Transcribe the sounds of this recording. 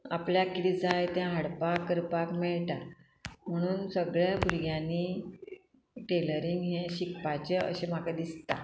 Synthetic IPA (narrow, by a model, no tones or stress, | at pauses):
apljakiɾid͡zajt̪jãɦaɽpakːəɾpakmɛɭʈa | m̤əɽ̃uːnsəɡɭjabʱuɾɡjãni | ʈeləɾiŋɡɦẽɕikpat͡ɕeə̰ɕemakad̪ist̪a̰